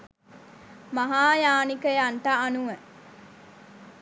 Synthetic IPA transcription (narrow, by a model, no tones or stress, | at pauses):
mɐɦaːjaːnikɐjɐɳʈaːnuʋe